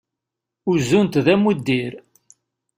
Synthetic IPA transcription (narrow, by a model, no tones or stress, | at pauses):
ʊzunt̪ðæmud̪ːiɾ